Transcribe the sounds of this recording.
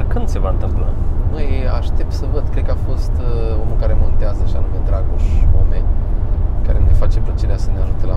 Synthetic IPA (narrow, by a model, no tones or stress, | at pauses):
kɨnd̪se̞vaɨnt̪ɨmpla̰məjaʃt̪e̞p̚t̪səvəd̪̚kɾed̪̚kəafo̞st̪omukaɾe̞mo̞nt̪eazəʃia̰numed̪ɾaɡoʃo̰me | ka̰ɾenulefat͡ʃe̞plət͡ʃeɾeasəneaʒut̪ela